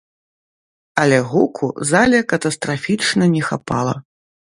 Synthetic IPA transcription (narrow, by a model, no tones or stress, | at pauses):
ɐlʲɛɣukʰṵzalʲɐkɐt̪ɐst̪ɾafʲit͡ʂnɐnʲɛxapa̰lˠɐ